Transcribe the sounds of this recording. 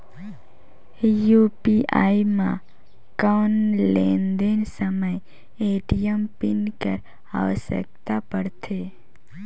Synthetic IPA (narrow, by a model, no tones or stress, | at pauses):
jupiʔaːimã | kanlẽːnd̪ensəməj | eːʈijəmpɪnkəɾ | a̰ʋəsə̰k̚t̪apəɽt̪ʰeː